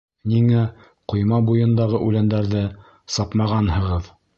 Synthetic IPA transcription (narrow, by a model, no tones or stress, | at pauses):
niŋæ | qŏjmɑbujɤ̆nd̪ɑʁɤʔʉlænd̪æɾðɘ | sɑpmɑʁɑnhɤ̆ʁɤð